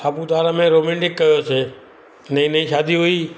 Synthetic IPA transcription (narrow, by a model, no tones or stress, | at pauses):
apũt̪aɾamẽɾomɛ̃ɳʈɪkːəjot͡ʃʰe | nəĩnəĩʃad̪ʱiɦoi